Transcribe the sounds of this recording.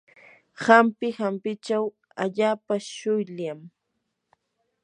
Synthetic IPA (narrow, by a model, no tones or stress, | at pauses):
hampɪhampɪt͡ʃaw | aʎaːpaʃʊjʎam